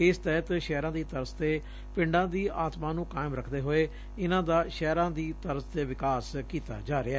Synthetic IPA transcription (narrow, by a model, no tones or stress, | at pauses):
ɪst̪ɛɦt̪ʃɛːɾãːd̪iːt̪əɾzt̪eː | pɪ̃ɳɖãːd̪iːaːt̪mãːnũːkaːɪmɾəkʰd̪eːɦoːeː | ɪnãːd̪aːʃɛːɾãːd̪iːt̪əɾzt̪eːʋɪkaːskiːt̪a̰ːd͡ʒaːɾeaɛː